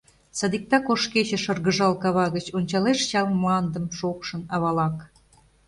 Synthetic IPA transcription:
sɑd̪ik̚t̪ɑkoʃket͡ɕĕʃɤrɣəʒɑlkɑβɑɣət͡ɕonʲt͡ɕɑleʃt͡ɕɑlmlɑnd̪əmʃokʃənɑβɑlɑk

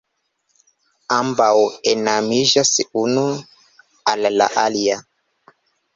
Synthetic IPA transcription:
ambaɔɛnamiʒasiunu | alala̰ʔalija

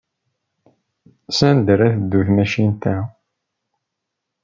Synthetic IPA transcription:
sænd̪əɾæθd̪ːuθmæʃint̪æ

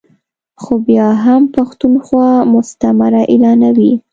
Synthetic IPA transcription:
xobjɑɦampaxt̪unxwɑmʊst̪amaɾaʔelɑnawi

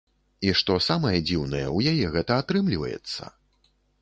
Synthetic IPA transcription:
iʂt̪ɔsamɐjɐd͡zʲiwnɐjɛ̰wjajɛɣɛt̪ɐat̪ɾɨmlʲivɐ̰jɛ̰t̪sːɐ̰

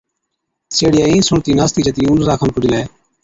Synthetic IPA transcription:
seːɽɪjaːiːsʊɳt̪iːnaːst̪iːd͡ʒət̪iːʊnɾaːkʰənpʊd͡ʒɪleː

